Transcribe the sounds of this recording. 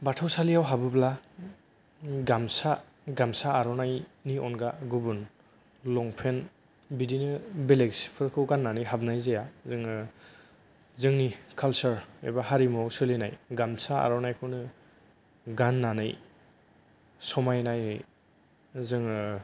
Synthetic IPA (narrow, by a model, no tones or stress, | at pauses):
batʰawsalijawɦabɯbla | ɡamsa | ɡamsaːɾɔnajniɔnɡaɡubɯn | lɔŋpʰen | bidinɯbeleksi̥pʰɯɾkʰɯwɡanːanɯjɦabnajzejazɯŋ | zɯŋnikʰalsɯɾḛbahaɾimɔwsɯlinajɡamsaa̰ɾɔnajkʰɯwnɯ | ɡanːanaj | sɔmajnaj | zɯŋ